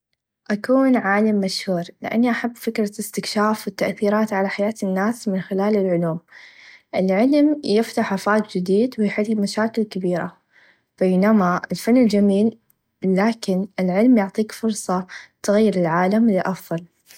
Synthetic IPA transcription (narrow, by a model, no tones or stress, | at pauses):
ʔakuːnʕaːlɪmːaʃhuːɾlɪ̰ʔa̰nːiʔaħabːfɪkɾˤɑɪst̪ɪkʃaːfwɪt̪ːaʔθiːɾaːt̪ʕalaħajaːt̪ɪnːaːsmɪnxɪlaːlɪlʕʊluːmʔɪlʕɪlmjɪft̪aħʔafaːt̪̚d͡ʒɪd̪iːd̪wɪjħɪlːmaʃaːkɪlkabiːɾa̰ | b̥eːnamaɪlfanːɪld͡ʒamiːlː | aːkɪnʔɪlʕɪlmjʊʕt̪ˤiːkfʊɾˤsˤɑsʊɣajːɪɾɪlʕaːlamlɪʔɑfðˤɑl